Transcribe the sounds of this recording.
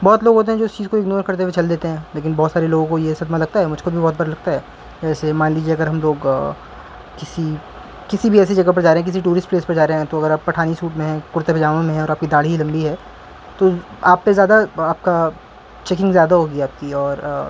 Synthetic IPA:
bɔːt̪loːɡɦoːt̪eɦɛ̃d͡ʒoːɪst͡ʃiːzkoɪɡnoːɾkɐɾt̪̬ewet͡ʃɐld̪eːt̪eɦɛ̃ːleːk̬ɪnbɔːt̪saːɾeloːɡõkojesɐd̪malɐɡ̚t̪aɦɛmʊd͡ʒʱkobʱibɔːt̪bɐɾalɐɡ̚t̪aɦɛː | d͡ʒɛːsemãːnliːd͡ʒieɐɡəɾɦɐmloːɡ | kɪsi | kɪsibʱiɛːsid͡ʒɐɡap̬ɐɾd͡ʒaːɾeɦɛ̃kɪs̬iʈuːɾɪsʈpleːspɐɾd͡ʒaːɾeɦɛ̃t̪oɐɡəɾaːppːɐʈʰaːnisuːʈmẽɦɛ̃kʊɾt̪epɐd͡ʒaːʋẽmẽɦɛ̃ɔːɾaːp̚kid̪aːɽ̤iɦilɐ̃mbiɦɛː | t̪oa̰ːpːezjaːd̪aaːp̚ka | t͡ʃek̬ɪ̃ŋɡzjaːd̪aɦoːɡiaːp̚kiɔːɾ

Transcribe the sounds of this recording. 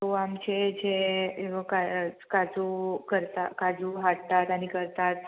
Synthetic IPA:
amt͡ɕed͡ʑe | kakad͡zukəɾt̪akad͡zuɦaɽt̪at̪aɽ̃ikəɾt̪at̪

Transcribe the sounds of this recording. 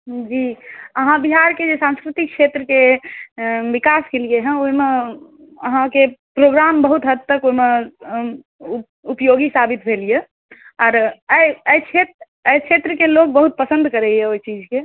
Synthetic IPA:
d͡ʒiəɦãbiɦaɾked͡ʒesãnskɾit̪ik̚t͡ʃʰet̪ɾəke | bikaskelijeɦɛ̃oime | əɦãkepɾoɡɾambəɦut̪ɦət̪ːəkoime | upjoɡisabit̪bʱelije | ɔːɾəəjt͡ʃʰet̪ | əjkt͡ʃʰet̪ɾəkelok̚bəɦut̪̚pəsə̃nd̪kəɾɛijɛoit͡ʃid͡ʒke

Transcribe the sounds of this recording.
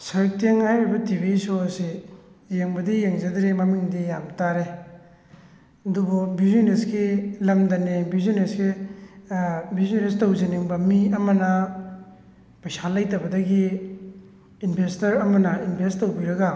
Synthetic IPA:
sɐɾk̚teŋhajɾibɐtibisoɐsijeŋbɐdijeŋzɐdɾemɐmiŋdijamtaɾe | ɐdububizoneskilɐmdɐnebizoneske | bizonestɐwzeniŋbɐmiɐmɐnɐ | pajsalɐjtɐbɐdɐɡi | nbʰʱestɐɾɐmɐnɐinbʱestːowbiɾɐɡa

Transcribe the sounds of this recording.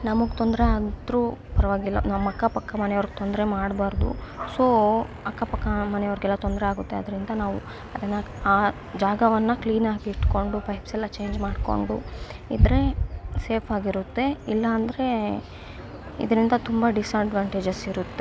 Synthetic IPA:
nɐmɐɡt̪ond̪ɐɾeaːd̪ɾuːpɐɾɐʋaːɡɛlːɐnɐmːɐkːɐpɐkːɐmɐnɛjɔʋɾɡ̚et̪ond̪ɾemaːɽbaːɾd̪ṵsoː | ɐkːɐpɐkːɐmɐnɛjɔʋɾɡɛlːɐt̪o̞nd̪ɾeaːɡut̪ːe̞ɐd̪ɐɾind̪ɐnaːʋṵ | ɐd̪ɐnːɐaː | d͡ʒaːɡɐʋɐnːɐkliːnaːɡiiʈko̞ɳɖupɐjpsɛlːɐt͡ʃe̞ːɲd͡ʒmaːɖko̞̰ɳɖuid̪ɐɾe̞se̞ːpʰaːɡiɾut̪ːe̞ilːɐːnd̪ɐɾe̞ | ḭd̪ɐɾind̪ɐt̪umbɐɖisɐɖʋaːɳʈeːd͡ʒɐsiɾut̪ːe

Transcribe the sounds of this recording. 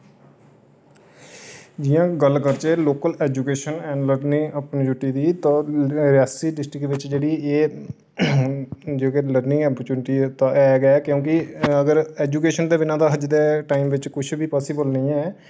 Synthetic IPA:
d͡ʒɪjãːɡəlkəɾt͡ʃeːloːkəlɛːd͡ʒukeːʃənɛ̃ːnləɾnĩŋəpnːd͡ʒʊʈːiːd̪iːt̪ãːɾɪjaːsiːɖɪsʈɾɪkʋɪt͡ʃd͡ʒeːɽiːeː | d͡ʒekeləɾnɪ̃ŋɡaːpəɾt͡ʃuːnɪʈiːt̪ãɛːɡɛːkjõːkɪəɡəɾɛːd͡ʒuːkeːʃənd̪eːbɪnãːd̪aːɦəd͡ʒd̪eːʈaːiːmʋɪt͡ʃkʊt͡ʃʰbʱiːpaːsɪbəlnĩːɛː

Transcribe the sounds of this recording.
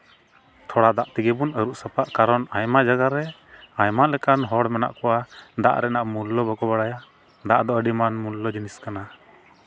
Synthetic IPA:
t̪ʰɔɽad̪aʔt̪iɡɛbunəɾuʔsapaʔkaɾɔnajmad͡ʒaɡaɾɛajmalɛkanɦɔɽmɛna̰ʔkɔwad̪a̰ʔɾɛnaʔmulːɔbɔɡɔbaɽaja | d̪aʔd̪ɔəɖimanmulːɔd͡ʒiniskana

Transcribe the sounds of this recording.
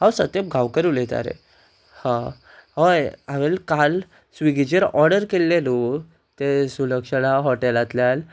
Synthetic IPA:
ɦawsət̪epɡʱawkəɾulet̪a̰ɾḛ | hã | ɦəjaʋelkal | sʋiɡid͡ʑeɾɔɾɽəɾkelːelu | t̪esuləkʂəlaɦɔʈelat̪ljal

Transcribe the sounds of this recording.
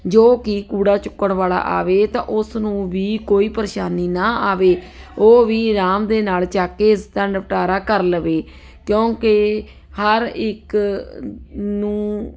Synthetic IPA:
d͡ʒoːkɪkuːɽaːt͡ʃʊkːəɳʋaːla̰ːʔa̰ːʋeːt̪ã̰ːʔʊsnũːʋiːkoːiːpəɾʃaːniːnaːaːʋeː | oːʋiːɾaːmd̪eːnaːlt͡ʃaːkeːst̪ɛɳɖpʈaːɾaːkəɾləʋeː | kjõːke | həɾɪk | nũː

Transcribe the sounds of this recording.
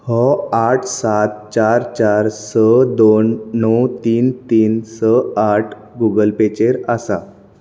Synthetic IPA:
hɔaʈʰsat̪̚t͡ɕaɾt͡ɕaɾsəd̪onːɔwt̪iːnt̪iːnsəaʈʰ | ɡuɡəlpet͡ɕeɾəsa̰

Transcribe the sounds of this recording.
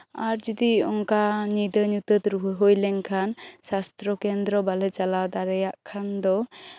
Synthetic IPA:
aɾd͡ʒud̪iɔŋkanid̪ənut̪ət̪ɾuɦɦojleŋkʰansast̪ɾɔkend̪ɾɔbalet͡ʃalad̪aɾejaʔkʰand̪ɔ

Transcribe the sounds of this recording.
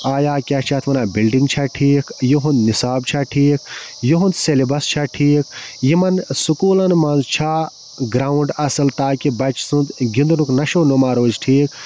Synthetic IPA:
aːjaːkʲaːt͡ʃʰaːt̪ʰmɐnaːbilɖiŋɡt͡ʃʰaʈʰiːkjiɦũnd̪nisaːb̚t͡ʃʰaʈʰiːkjiɦũnd̪selibɐst͡ʃʰaʈʰiːkjimɐnsukuːlɐnmɐnzt͡ʃʰa | ɡɾaːuɳɖɐsɐlt̪aːkibɐt͡ʃsunt̪ɡʲind̪unuknɐʃoːnomaːɾoːd͡ʒʈʰiːk

